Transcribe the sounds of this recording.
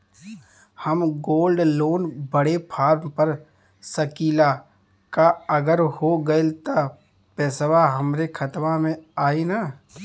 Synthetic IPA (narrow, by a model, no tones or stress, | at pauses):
həmɡoːlɖloːnbəɽepʰaːɾmpəɾ | səkiːla | kaəɡəɾhoɡəlt̪a | pɛːsʋaɦəmɾekʰət̪ʋamẽaːinaː